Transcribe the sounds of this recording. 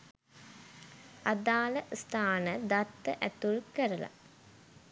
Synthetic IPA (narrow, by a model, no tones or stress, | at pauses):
ad̪aːləst̪ʰaːnəd̪at̪ːəʔæt̪ulkəɾəla̰